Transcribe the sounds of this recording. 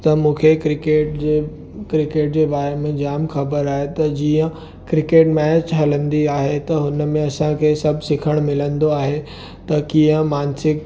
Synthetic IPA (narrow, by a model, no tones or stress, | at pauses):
t̪ɐmũːkʰekɾɪkeːʈd͡ʑe | kɾɪkeːʈ̚d͡ʑeːbaːɾemẽd͡ʑaːmxɐbəɾaːɦet̪ɐd͡ʑiːə̃ | kɾɪkeːʈmɛːt͡ɕɦɐlə̃nd̪iaːɦet̪ɐɦʊnmẽɐsãkʰeːsɐbʱsɪkʰəɽ̃mɪlə̃nd̪oaːɦe | t̪ɐkijə̃maːnsɪk